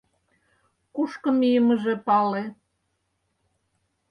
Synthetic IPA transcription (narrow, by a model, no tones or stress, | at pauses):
kuʃkə̆mijəmə̆ʒepɑle